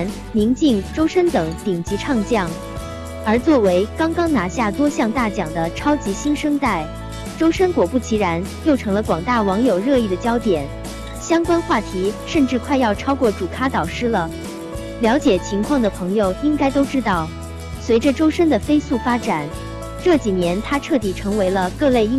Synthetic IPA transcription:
n | mi˧˥ŋt͡ɕi˥˩ŋʈ͡ʂo˥ʊʂə˥nt̪ɤ˨˩˦ŋt̪i˨˩ŋt͡ɕi˧˥ʈ͡ʂʰɑ˥˧ŋt͡ɕjɑ˥˩ŋ | ə˞˧˥t͡swɔ˥˩we˧˥ɪkɑ˥ŋkɑ˥ŋna˧˥ɕja˥˩t̪wɔ˥ɕjɑ˥˧ŋt̪a˥˩t͡ɕjɑ˨˩ŋd̪ə˦ʈ͡ʂʰɑ˥ʊt͡ɕi˧˥ɕi˥nʂɤ˥ŋt̪a˥˩ɪ | ʈ͡ʂo˥ʊʂə˥nkwɔ˨˩pu˥˩t͡ɕʰi˧˥ɻa˧˥njo˥˩ʊʈ͡ʂʰɤ˧˥ŋlə˧kwɑ˨˩ŋt̪a˥˩wɑ˧˥ŋjo˨˩ʊɻɤ˥˧i˥˩d̪ə˩t͡ɕjɑ˥ʊt̪jɛ˨˩˦n | ɕjɑ˥ŋkwa˥nxwa˥˩t̪ʰi˧˥ʂə˥˧nʈ͡ʂɻ̩˥˧kʰwa˥˧ɪjɑ˥˩ʊʈ͡ʂʰɑ˥ʊkwɔ˥˩ʈ͡ʂu˨˩kʰa˥t̪ɑ˨˩ʊʂɻ̩˥lə˨ | ljɑ˧˥ʊt͡ɕjɛ˨˩t͡ɕʰi˧˥ŋkʰwɑ˥˩ŋd̪ə˩pʰɤ˧˥ŋjo˧ʊi˥ŋka˥ɪt̪o˥ʊʈ͡ʂɻ̩˥t̪ɑ˥˩ʊ | swe˧˥ɪʈ͡ʂə˧ʈ͡ʂo˥ʊʂə˥nd̪ə˨˩fe˥ɪsu˥˩fa˥ʈ͡ʂa˨˩˦n | ʈ͡ʂɤ˥˩t͡ɕi˨˩njɛ˧˥nt̪ʰa˥ʈ͡ʂʰɤ˥˩t̪i˨˩ʈ͡ʂʰɤ˧˥ŋwe˧˥ɪlə˧kɤ˥˧le˥˧ɪ˥

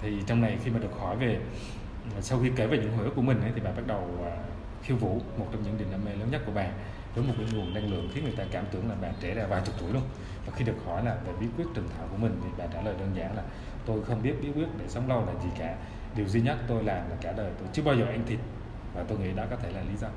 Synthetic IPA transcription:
t̪ʰi˨˩t͡ɕɔ˧wŋ͡mna˨˩jxi˧maː˨˩ɗɨ˨˩ək̚hɔ˧˩˦jve˨˩˨ | sa˧wxi˧ke˧˩veː˨˩ɲɨ̰˧˥ŋo˨˩jʔə˦˥ku˧˩əmï˨˩ŋ̟ʔə˨˦jt̪i˨˩ɓaː˨ɓa˦˥t̚ɗə˨˩wː | xi˧wvṵ˧˥mo˨˩t̚t͡ɕɔ˧ŋ͡mɲɨ̰˧˥ŋɗi˨˩naː˧me˧˦ləː˨˦nɲə˦˥t̚ku˧əɓaː˨˩ | vəː˨˦jmo˨˩t̚kaː˨˦jŋu˨˩əna˧ŋlɨ̰˧˨əŋxi˨˦ŋɨ˨˩əjt̪aː˧kaː˧˩mt̪ɨ̰˧˩əŋlaː˨˩ɓaː˨˩nt͡ɕe˧˩zaː˧vaː˨˩jt͡ɕʊ˨˩k͡p̚t̪u˧˩əjləŋ͡m | vaː˨˩xi˧ɗɨ˨˩ək̚hɔ˧˩jlaː˨˩ve˨˩ɓḭ˨˧˥kwi˦˥ət̚t͡ɕɨ˨˩əŋt̪ʰa̰ː˧˨wku˧˩əmï˨˩ŋ̟t̪ʰi˨˩ɓa̰ː˨˩t͡ɕaː˧˩ləː˨˩jɗəː˧nzaː˧˦ŋlaː˨˩ | t̪o˧jxə˧wŋ͡mɓi˦˥t̚ɓi˨˦˥kwət̚ɗe˧˩sə˨˦wŋ͡mlə˧wlaː˨˩zi˨˩kaː˧˩˦ | ɗi˨˩əwzi˧ɲə˦˥t̚t̪o˧jlaː˨˩mlaː˨˩kaː˧˩ɗəː˨˩jt̪o˧jt͡ɕɨ˧əɓaː˧wzəː˨˩ʔa˧ŋ̟t̪ʰi˨˩t̚ | vaː˨˩t̪o˧jŋḭ˧˥ɗɔ˨˦kɔː˨˦t̪ʰe˧˩laː˨˩li˨˦zɔ˧

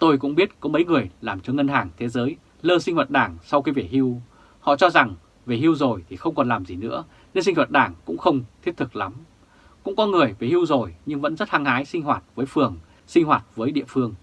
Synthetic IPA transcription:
t̪o˧jkʊ̰˧˥ŋ͡mɓi˦˥t̚kɔ˨˦mə˨˦jŋɨ˨˩əjlaː˨˩mt͡ɕɔ˧ŋə˧nɦaː˨˩ŋt̪ʰe˨˦zəː˨˦j | ləː˧si˧ŋ̟hwa˨˩t̚ɗaː˧˩ŋsa˧wkaː˨˦jve˨˩hi˧w | hɔ̰˧˨t͡ɕɔ˧za˨˩ŋ | ve˨˩hi˧wzo˨˩jt̪ʰi˨˩xə˧wŋ͡mkɔ˨˩nlaː˨˩mzi˨˩nɨ̰˧˥ə | ne˧nsi˧ŋ̟wa˨˩t̚ɗaː˧˩ŋkʊ̰˧˥ŋ͡mxə˧wŋ͡mt̪ʰi˦˥p̚t̪ʰɨ˨˩k̚la˨˦m | kʊ̰˧˥ŋ͡mkɔ˨˦ŋɨ˨˩əjve˨˩hi˧wzo˨˩jɲɨ˧ŋvə̰˧˥nzə˦˥t̚ha˧ŋhaː˨˦jsï˧ŋ̟hwaː˨˩t̚vəː˨˦jfɨ˨˩əŋ | sï˧ŋ̟hwaː˨˩t̚vəː˨˦jɗḭ˧˨əfɨ˧əŋ

